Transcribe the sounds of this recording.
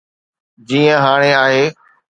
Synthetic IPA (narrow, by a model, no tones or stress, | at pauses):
d͡ʑiːə̃ɦaːɽ̃eaːɦeː